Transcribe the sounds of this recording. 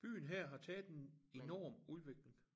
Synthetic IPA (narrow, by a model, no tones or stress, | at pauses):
b̥y̰ːn̩ɦæɐ̰ɦɑ̈t͡sʰɛːð̩ˠdene̝nɒ̰ːmuðˠʋe̝ɡ̥leŋ